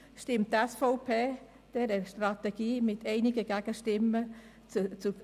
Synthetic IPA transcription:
ʃtɪmtːɛsfoʊpʰeː | d̥ɛɾəʃtrɑt̪ɛɡ̥iːmɪtʰɛɪnɪɡəɡ̥æɡ̥əʃtɪmːə | t͡st͡su

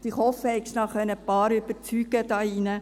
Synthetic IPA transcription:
tɪχhɔfːəhɛɪkʃnɑχœnːəpɑːɾʏb̥əɾt͡syːɡ̥əd̥ɑːinə

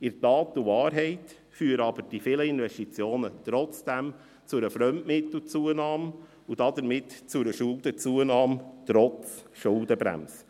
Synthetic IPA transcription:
ɪɾtɑːtuvɑːɾɦɛɪt | fyːəɾɑbəɾd̥ifɪləɪnvɛʃtit͡sjoːnətɾɔt͡sd̥æm | t͡sʊɾəfɾœmʔmɪt̪l̩t͡suːənɑːm | ud̥ɑd̪əɾmɪtt͡sʊɾəʃʊlˠdət͡suənɑːmtɾɔt͡sʃʊldəbɾæ̰ms

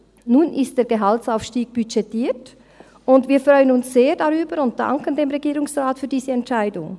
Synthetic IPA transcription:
nuːnʔɪst̚d̥eːɡəɦaltsaʊfʃtiːɡ̥̚b̥yt͡ʃɛtiːt | ʊndviːɐfʁɔʏənʊnsz̥eːdaʁyːbəɾʊnt̚d̥a̰ŋkəndeːmʁeɡiːɾʁʊŋsʁaːtfyːɐdiːzəɛntt͡ʃaɪdʊŋ

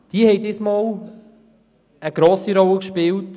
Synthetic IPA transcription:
d̥iəhɛjdiːsmɑːl | əɡ̥ɾoːsiɾɔləkʃpɪlt

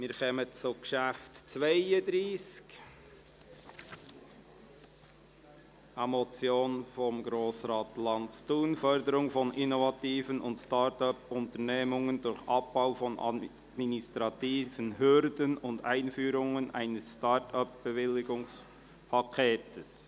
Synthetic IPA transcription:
mɪːɾkʰɛmət͡suɡʃæftt͡svaɪədɾiːsk | ʔɑmot͡sjoːnfɔmɡɾoːsɾɑːtlɑnt͡stuːnfœɾdəɾʊŋfɔnʔinovɑtiːvənʊntstɑtœpʊntəneːmʊŋəndʊɾçʔɑp̚b̥aʊfɔnʔɑ̰ | ministɾɑtiːvənhʏɾdənʊnda̰ɪnfyːɾʊŋənʔa̰ɪnəsːtɑtœpb̥evɪlːɪɡʊŋs | pʰɑkʰeːtəs

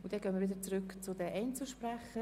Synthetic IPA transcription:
ʊntd̥ɛnɡœːnməʋɪdət͡sɾʏkt͡sʊdɛʔɛɪnt͡suʃprɛχə

